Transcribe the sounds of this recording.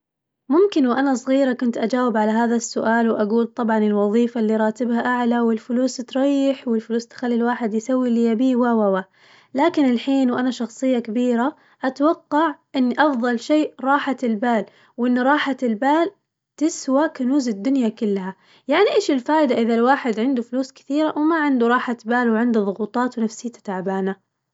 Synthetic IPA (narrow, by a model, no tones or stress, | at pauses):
mʊmkɪnwʔanasˤɣiːɾakʊnt̪ʔad͡ʒaːwɪbʕalaɦaːðasːʊʔaːlwʔaɡuːlt̪ˤɑbʕɑnɪlwɑðˤiːfalːiɾˤɑːt̪ɪbhaʔaʕlawɪlfʊluːst̪ɾˤɑjːɪħwɪlfʊluːst̪xalːilwaːħɪd̪jsawːilɪjabiːwawawa | laːkɪnɪlħiːnwʔanaʃɑxsˤɨjːakabiːɾa | ʔat̪wɑqːɑʕʔɪnːʔɑfðˤɑlʃeːʔɾˤɑːħaɪlbaːl | wʔɪnːɾˤɑːħaɪlbaːl | t̪ɪswakanuːzɪd̪ːʊnjakʊlːha | jaʕniʔeːʃɪlfaːʔɪd̪aʔɪðalwaːħɪd̪ʕɪnd̪ufʊluːskɪ̥θiːɾaʔwmaʕɪnd̪uɾˤɑːħat̪baːlwʕɪnd̪uðˤʊɣuːt̪ˤɑːt̪wnafsɪːt̪ḁt̪aʕbaːna